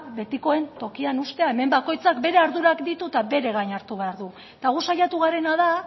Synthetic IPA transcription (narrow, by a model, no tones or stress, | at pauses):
be̞t̪iko̞e̞nt̪o̞kianust̪e̞ae̞me̞mbako̞jt͡sakbe̞ɾe̞aɾðuɾakd̪it̪ut̪aβe̞ɾe̞ɣajɲaɾt̪uβe̞aɾðu | t̪aɣusajat̪uɣ̞aɾe̞nað̞a